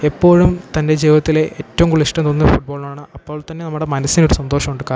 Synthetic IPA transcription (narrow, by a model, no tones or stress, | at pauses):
epːo̞ːɻumt̪ɐnde̞d͡ʑejʋɐt̪ːileʔeːtːɐʋɐmkuɭːiʂʈɐmt̪onːɐfuʈ̚boːɭumaːɳɨɐpːo̞ːɭt̪ɐnːe̞nɐmːuɽe̞mɐnɐsːino̞ɾusɐnd̪o̞ːʂɐmuɳɖɨkaː